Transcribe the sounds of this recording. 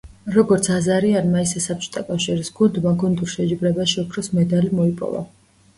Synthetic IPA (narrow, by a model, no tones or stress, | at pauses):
ɾɔɡɔɾt̪sʰazaɾianmaisɛsap̚ʰt͡ʃʰʼɔ̥t̪ʼakʼafʃiɾisɡ̥und̪maɡund̪uɾʃɛd͡ʒibɾɛbaʃiɔkʰɾɔsmɛd̪alimɔipʼɔ̰va̰